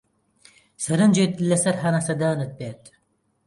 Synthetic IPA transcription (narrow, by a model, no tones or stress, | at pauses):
sɐɾɐnd͡ʒeːt̪lɐsɐɾɦɐnasɐd̪aːnɨt̪̚beːt̪